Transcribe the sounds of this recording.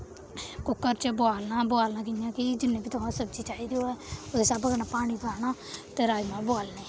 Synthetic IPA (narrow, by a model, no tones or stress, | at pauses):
kʊkːəɾt͡ʃəbʊaːlnaːbʊaːlnaːk̬ɪjãːkid͡ʒɪnːẽːbiːt̪ʊɦãːsəbd͡ʒiːt͡ʃaːɦiːd̪eoːɛːod̪eːsaːbəɡnaːpaːɽ̃iːbaːnaː | t̪eːɾaːimãːboaːlneː